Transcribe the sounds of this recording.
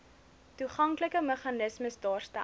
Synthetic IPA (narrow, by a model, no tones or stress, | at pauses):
tuχɐŋkləkəməχɑnəsməsdɑːrstæ̰